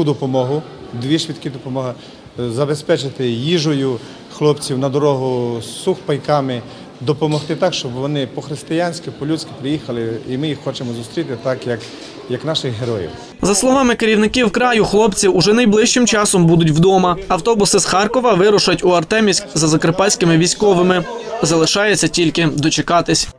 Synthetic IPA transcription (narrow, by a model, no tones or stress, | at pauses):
ud̪ɔpɔmɔɦʊ | d̪ʋʲiʃʋʲit̪kɪd̪ɔpɔmɔɦɐ | zɐbespɛt͡ʃɪt̪ɪjiʒɔjʊ | xlˠɔpt͡sʲiwnɐd̪ɔɾɔɦʊsuxpɐjkɑmɪ | d̪ɔpɔmɔht̪ɪt̪ɑkʃt͡ʃɔbʋɔnɪpɔxɾɪst̪ɪjanʲsʲkɪpɔlʲusʲkɪ̥pɾɪjixɐlˠɪimɪjixːɔt͡ʃemɔzʊst̪ʲɾʲit̪ɪt̪ɑkjɐk | jɐknɑʃɪɣɦeɾɔjḭw | zɐslˠɔʋɑmɪkeɾʲiwnɪkiwkɾɑjʊxlˠɔpt͡sʲiwʊʒɛnɐjblˠɪʃt͡ʃɪmt͡ʃɑsɔmbud̪ʊtʲwd̪ɔmɐɐwt̪ɔbʊsɪsxɑrkɔʋɐʋɪɾʊʃɐtʲʊɐrt̪ɛmʲisʲkzɐzɐkɾepɑlʲsʲkɪmɪʋʲisʲkɔʋɪmɪzɐlˠɪʃɑjet͡sʲːɐtʲilʲkɪd̪ɔt͡ʃekɑt̪ɪsʲ